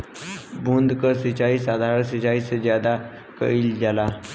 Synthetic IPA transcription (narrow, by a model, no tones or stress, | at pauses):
bũnd̪kəsɪt͡ʃaːisaːd̪ʱaːɾəsɪt͡ʃaːisezjaːd̪a | kə̰ild͡ʒaːlaː